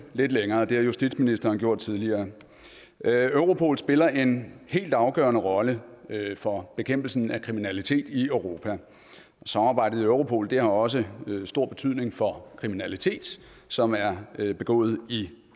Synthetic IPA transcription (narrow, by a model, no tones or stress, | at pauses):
le̝d̥leŋɐːd̥e̝hɑ̈jusd̥id̥sminisd̥ɐːnɡjo̝ɐ̰d̥̚t͡sʰiðˠliɐː | øʊʁo̝pʰo̝̰ːl̩sb̥e̝lɐʔe̝nhe̝̰ːld̥ɑ̈ʊɡ̥œ̰ɐnəʁɒ̽ləfɒ̽b̥e̝kʰem̰b̥l̩sn̩ækʰʁiminælit͡sʰe̝̰ːd̥iøʊʁo̝ːpʰæ | ɒ̽sɑmɑ̈b̥ɑ̈ɪ̰d̥ð̩ˠøʊʁo̝pʰo̝̰ːld̥e̝hɑ̈ɒ̽s̬əsd̥o̝ɐ̰b̥e̝̥t͡sʰyð̞̰ˠne̝ŋfɒ̽kʰʁiminælit͡sʰe̝̰ːd̥ | sɒ̽mæɐb̥e̝ɡ̥ɔ̰̽ːð̞̩ˠi